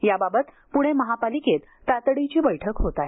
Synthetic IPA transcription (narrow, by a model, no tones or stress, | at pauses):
jababət̪ | puɽ̃eməɦapaliket̪ːat̪ɽit͡ɕiːbəjʈʰəkɦot̪aɦe